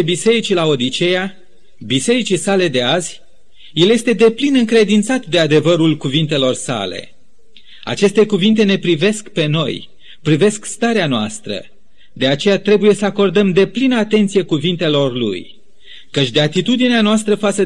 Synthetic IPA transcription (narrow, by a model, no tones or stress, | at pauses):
bise̞ɾit͡ʃilao̞d̪it͡ʃe̞ja | bise̞ɾit͡ʃisale̞d̪e̞azʲ | je̞lje̞st̪e̞d̪e̞plinɨŋkɾe̞d̪int̪sat̪d̪e̞ad̪e̞vəɾulkuvint̪e̞lo̞rsa̰le̞̰ | a̰t͡ʃe̞st̪e̞kuvint̪e̞ne̞pɾive̞skpe̞no̞̰j | pɾive̞skst̪aɾeanoa̰st̪ɾə̰ | d̪e̞at͡ʃe̞jat̪ɾe̞buje̞səako̞rd̪əmd̪e̞plinəat̪e̞nt̪sije̞kuvint̪e̞lo̞rlṵj | kət͡ʃʲd̪eat̪it̪ud̪ineanoast̪ɾəfat̪sə